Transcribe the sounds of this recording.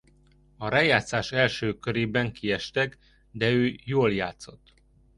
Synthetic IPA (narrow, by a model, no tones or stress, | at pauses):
ɒɾaːjaːt̪saːʃɛlʃøːkøɾeːbɛŋkiɛʃt̪ɛk | d̪ɛøːjoːlja̰ːt̪so̞t̪ː